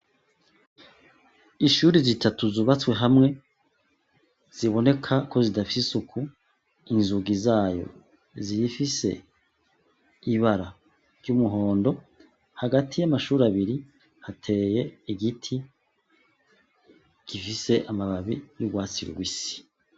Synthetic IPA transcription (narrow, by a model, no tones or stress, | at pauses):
iʃuːɾizitʰatuzuβat͡swe̞ɦamŋe̞ | z̥iβo̞ne̞kʰako̞zidafisisukʰu | inzuɡizaːjo̞̰ | zijifise̞̰ | iβaɾa | ɾɟumuɦo̞ːndo̞ | haɡatʰijamaʃuːɾaβiɾi | hatʰe̞ːje̞iɡitʰi | ɡ̥ifise̞ʔamaβaβijuɡwaːt͡sḭɾṵɡwisi̥